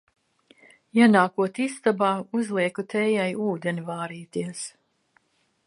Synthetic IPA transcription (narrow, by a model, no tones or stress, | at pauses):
janaːkuɔt̪ist̪abaːuzlˠiɛkut̪ʰɛːjajuːd̪ɛnivaːɾiːt̪iɛs